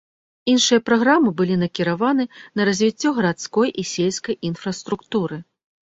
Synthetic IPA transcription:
inʂɨjɐpɾaɣɾamɨbɨlʲinɐkʲiɾavanɨnɐɾɐzʲvʲit͡sʲːɔɣɐɾat̪skɔjʔisʲelʲskɐjinfrɐst̪ɾukt̪uɾɨ

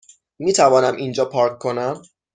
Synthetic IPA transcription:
miːt̪ʰævɒːnæmʔind͡ʒɒːpʰɒːɾkkʰːo̞næm

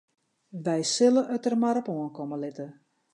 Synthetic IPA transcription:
ʋɛjsɪləʔøtərmaɾɔpoənkoməlɪtə

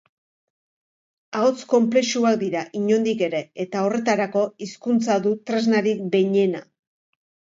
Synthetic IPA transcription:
aot͡sko̞mple̞ʃuak̚d̪iɾaʔiɲo̞nd̪ike̞ɾe̞ːt̪ao̞re̞t̪aɾako̞iskunt͡saðut̪ɾe̞znaɾik̚be̞ɲe̞na

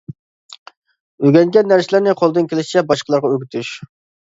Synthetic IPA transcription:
øɡʲɛŋɡʲɛnːæɾsɪlæɾnɪqʰolˠɨd̪ɨnkʲʰelɪʃt͡ʃʰɛbɑʃqəlˠɑɾʁɑøɡʲyt̪ʰyʃ

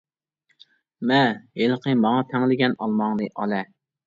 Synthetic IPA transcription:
mɛheləqʰəmɑŋɑt̪ʰɛŋlɪɡʲɛnɑlˠmɑŋlɨʔɑ̰lɛ

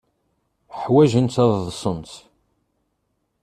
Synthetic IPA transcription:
ħwæʒənt̪æððˤsˤənt̪

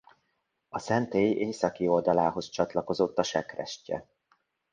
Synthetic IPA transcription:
ɒsɛnt̪eːjeːsɒkio̞ld̪ɒlaːɦo̞st͡ʃɒt̪lɒko̞zo̞t̪ːɒʃɛkrɛ̰ʃcɛ̰

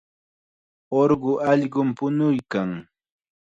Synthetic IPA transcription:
oɾɢʊʔɑʎɢʊmpʊnʊjkaŋ

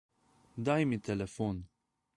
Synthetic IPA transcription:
d̪ɐjmit̪ːɛlɛfɔn

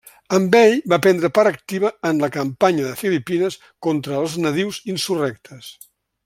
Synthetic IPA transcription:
əmbɛʎbapɛnd̪ɾəpaɾək̚t̪iβəːnləkəmpaɲəðəfilipinəs | kont̪ɾəːlˠznəðiwzinsurɛk̚t̪ʰəs

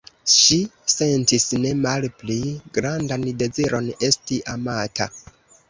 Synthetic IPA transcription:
ʃise̞ntisne̞malpliɡɾandande̞ziɾʔo̞ne̞stiʔamatʰa̰

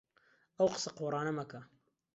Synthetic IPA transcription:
ɐwqə̥sɐqorˤɑːnɐmɐkɐ

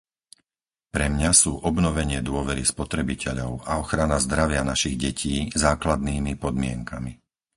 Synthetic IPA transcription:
pɾɛmɲasuːʔɔbnɔʋɛɲɪɛd̪ʊɔʋɛɾispɔt̪ɾɛbicʰɛʎɔʊʔaɔxɾanazd̪ɾaʋɪanaʃiɣɟɛcʰiːzaːklad̪̚niːmipɔd̪mɪɛŋkami

